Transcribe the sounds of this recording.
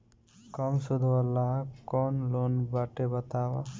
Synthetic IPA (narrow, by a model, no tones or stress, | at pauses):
kɔmsud̪ʱwalːakɔnlonbaʈebət̪awa